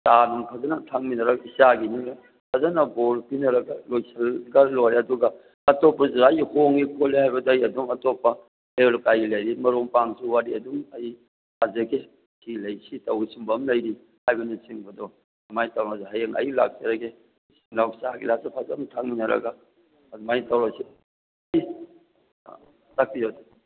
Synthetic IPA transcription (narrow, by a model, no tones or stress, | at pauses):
tanuŋpʰazɐnɐtʰaŋminɐɾɐɡɐisaɡiniŋɾ | pʰazɐnɐboɾpinɐɾɐɡɐlojsʰɐlɡɐloɾeɐduɡɐ | ɐtɔpːɐzuajhoŋɡikʰɔlːihajbɐdːjɐduŋɐtɔpːɐ | eolkajilɐjɾimɐɾoŋpaŋsuwaɾiɐduŋɐj | hazɐɡe | silɐjsitɐwsimbɐmlɐjɾi | hajbɐnisiŋbɐdɔ | ɐmajtawnazaɦajeŋɐ̰jila̰k̚saɾɐɡe | siŋlawsaaɡḭlasapʰazamtʰaŋminɐɾɐ̰ɡaː | dumajtawɾasi | j̰ | tak̚pijoda